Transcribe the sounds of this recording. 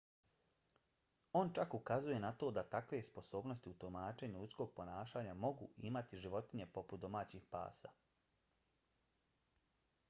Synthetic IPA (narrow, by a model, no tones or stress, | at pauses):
o̞nt͡ʃakukazuje̞nat̪o̞ːd̪at̪akʋe̞spo̞so̞ːbno̞st̪iut̪ulmaːt͡ʃe̞ːɲuʎut̪sko̞ːɡ̚po̞naːʃaːɲamo̞ɡṵʔimat̪iʒiʋo̞t̪iɲe̞po̞put̪̚d̪o̞maːt͡ɕixpa̰ːsa̰